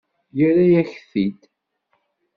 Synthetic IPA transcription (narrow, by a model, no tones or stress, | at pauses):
jəɾajæçθid̪